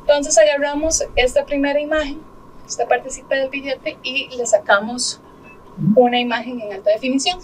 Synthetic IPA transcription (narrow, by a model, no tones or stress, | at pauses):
ent̪o̞ns̬esajaramoses̬t̪apɾimeɾaimaxeŋ | est̪apaɾt̪isipeðelpiʎet̪eilesakamos | unaimaxeŋeŋalt̪aðefinisjoŋ